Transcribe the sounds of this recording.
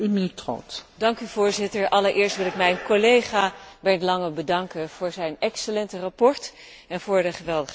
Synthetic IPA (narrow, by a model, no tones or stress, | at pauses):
ynmintro̰tdɑŋkyv̥ʊːɹzɪtəɹʔɑləɹʔɪːɹstʋɪlˠɪkmɛjnkolejχaːbɛɹlɑŋəbədɑŋkənv̥ʊːɹzɛjnɛksəlɛntərapɔɹt | ɛnv̥ʊːɹdəχəʋɛlˠdəχ